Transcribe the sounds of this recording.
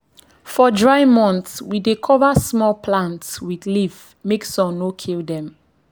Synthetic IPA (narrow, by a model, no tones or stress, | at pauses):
fɔdɹaɪmɔ̃nθswidekʰɔvasmɔlpʰlãntswidlif | meksɔ̃nokʰildɛ̃m